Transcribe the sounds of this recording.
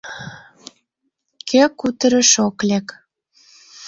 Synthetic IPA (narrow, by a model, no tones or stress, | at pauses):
kʰekut̪əɾə̆ʃoklek